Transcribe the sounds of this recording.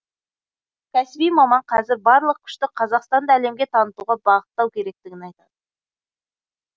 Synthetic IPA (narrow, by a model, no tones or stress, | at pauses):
kʲʰæsɪbijmɑmɑɴqʰɑzɪɾbɑɾlˠəq̚kʲʰʏ̥ʃt̪ɪqʰɑzɑqst̪ɑnd̪ɑːle̞mɡʲe̞t̪ʰɑnət̪uʁɑbɑʁət̪ːɑwkʲʰe̞ɾe̞k̚t̪ɪɡʲɪnɑjt̪ɑd̪̥ə